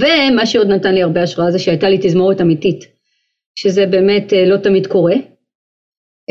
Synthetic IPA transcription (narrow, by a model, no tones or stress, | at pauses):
ve̞maʃeo̞dnatanliaʁbeaʃʁaazeʃeajtalitizmo̞ʁetamitit | ʃeze̞be̞ːme̞telo̞tamidko̞ʁe̞